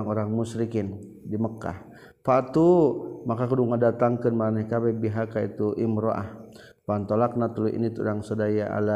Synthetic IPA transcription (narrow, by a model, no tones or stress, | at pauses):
ŋoɾaŋmusɾikɪndiməkːa̰h | pat̪umakakuduŋadat̪aŋkənmanɛhkabebiɦakait̪uʔimɾoʔa̰h | pant̪olak̚nat̪ulujʔḭnit̪udaŋsodajaa̰la